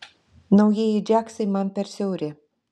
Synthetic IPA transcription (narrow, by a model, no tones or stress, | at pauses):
nowjejed͡ʒaksəjmanpersʲeuɾʲe